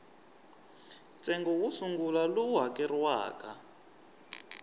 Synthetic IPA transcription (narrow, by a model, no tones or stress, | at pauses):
nt͡sʼɛŋɡɔwusuŋɡulaluwɦakɛrwa̰ːkʼa